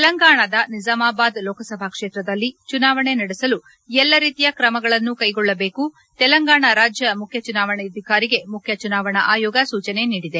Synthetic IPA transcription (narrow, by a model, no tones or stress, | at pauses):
t̪ɛlɐŋɡaːɳɐd̪ɐnid͡ʒaːmaːbaːd̪lɔːkɐsɐbʱakʂe̞ːt̪ɾɐd̪ɐlːit͡ʃunaːʋɐɳe̞nɐɽɛsɐlu | ɛlːɐɾiːt̪ijɐkɾɐmɐɡɐɭɐnːukɐjɡɔɭːɐbe̞ːku | t̪ɛlɐŋɡaːɳɐɾaːd͡ʒjɐmukʰjɐt͡ʃunaːʋɐɳɛɐd̪ʱikaːɾiɡe̞mukʰjɐt͡ʃunaːʋɐɳɐʔaːjɔːɡɐsuːt͡ʃɐne̞niːɽid̪e̞